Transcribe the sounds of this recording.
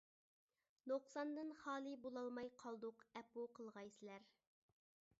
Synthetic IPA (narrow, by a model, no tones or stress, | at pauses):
noqsɑnd̪ɨnχɑːlˠɨbolˠɑlˠmɑjqʰɑlˠd̪ʊqɛpːuqʰəlˠʁɑjsɪlæɾ